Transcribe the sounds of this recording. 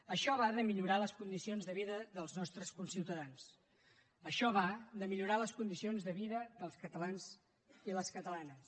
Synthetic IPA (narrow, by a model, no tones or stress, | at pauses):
əʃɔβaðəmiʎuɾaləskund̪isionzðəβiðəðəlˠznɔst̪ɾəskunsiwt̪əðans | əʃɔβaðəmiʎuɾaləskund̪isionzðəβiðəðəlˠskət̪əlanz | iləskət̪əlanəs